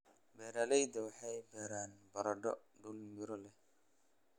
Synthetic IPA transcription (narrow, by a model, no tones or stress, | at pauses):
bɛːɾaːlɛjd̪ɐwɑħɑjbɛːɾaːnbɐɾɐɖɔɖulɪɾɔlɛh